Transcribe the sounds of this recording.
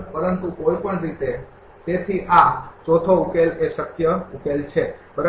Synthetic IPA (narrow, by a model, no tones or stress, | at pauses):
pəɾənt̪ukoipəɳɾit̪e | t̪et̪ʰiʔat͡ʃot̪ʰoukeleʃəkjəukelt͡ʃʰebəɾ